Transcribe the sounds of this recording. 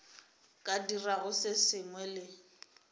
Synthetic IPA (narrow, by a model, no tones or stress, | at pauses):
kʼadiraɣʊsɪsɪŋwɛlɪ